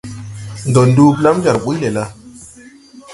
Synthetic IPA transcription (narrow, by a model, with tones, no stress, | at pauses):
n˨do˨ndu˦pla˦md͡ʒa˨ɾɓu˦le˨la˦